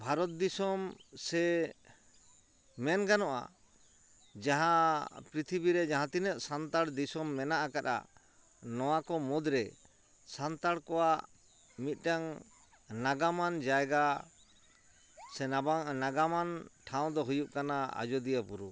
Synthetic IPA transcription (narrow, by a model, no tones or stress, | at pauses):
bʱaɾɔt̪̚d̪isɔmsɛ | mɛnɡanɔʔa̰ | d͡ʒaɦãpɾit̪ʰibiɾɛd͡ʒaɦãt̪inət̪̚sant̪aɽd̪isɔmːɛnaʔakaɾa̰ | nɔwakɔmɔd̪ɾɛ | sant̪aɽkɔwaʔ | mit̪̚ˀʈaŋ | naɡamand͡ʒaɛɡa | sɛnabanaɡamanʈʰaw̃d̪ɔɦujup̚kanaa̰d͡ʒɔd̪ijapuɾu